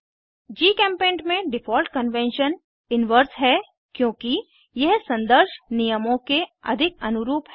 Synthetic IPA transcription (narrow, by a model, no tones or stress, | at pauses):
d͡ʒiːkɛ̃ːmpẽːɳʈmẽɖɪfʰɔːlʈkənʋɛ̃ːnʃən | ɪnʋəɾsɦɛ | kjõːki | jɛɦsɐ̃nd̪əɾʃnijəmõkeɐ̰d̪ʱɪkɐ̰nʊɾuːpɦ